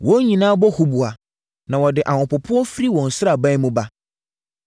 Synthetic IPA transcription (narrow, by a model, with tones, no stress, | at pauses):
wɔ̃˦ɲĩ˨nãː˦bɔ˦hu˨bu˨a˨ | nã˨wɔ˨dɪ˨ʔã˨hʊ̃˨pʊ˨pʰʊ˦ɔ˦fɾi˦wɔ̃˨n̩˨sʊ˦ɾa˨bã˦jmũ˦ba˦